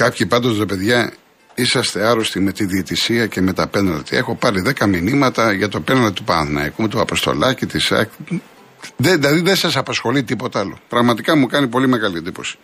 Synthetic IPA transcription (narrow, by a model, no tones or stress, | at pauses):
kɐpçipɐnd̪ozɾope̞ðʝɐ | isɐst̪eɐɾost̪ime̞t̪iðiet̪isiɐceme̞t̪ɐpenɐlt̪ie̞xo̞pɐɾiðe̞kɐminimɐt̪ɐʝɐt̪o̞penɐld̪it̪upɐnθnɐ̰ikut̪uɐpo̞st̪o̞̰lɐcit̪isɐ̰k | ðeilɐðiðesɐsɐpɐsxo̞lit̪ipo̞t̪ɐɐlo̞̰pɾɐɣmɐt̪ikɐmukɐnipo̞lime̞ɣɐliend̪ipo̞̰si̥